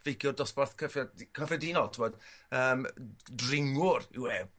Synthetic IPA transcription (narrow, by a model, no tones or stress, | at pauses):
vejɡjʊdɔsbarθkʰəfakʰafɔdiːnɔlˠtʰɪmɔd̥əːmdrɪŋʊrɪ̰wɛ